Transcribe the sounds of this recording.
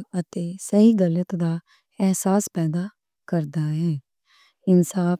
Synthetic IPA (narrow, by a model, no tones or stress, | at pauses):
ət̪eːsəɦiːɡələt̪d̪aː | ɛːsaːspɛːd̪aː | kəɾd̪aːɦɛː | ɪnsaːp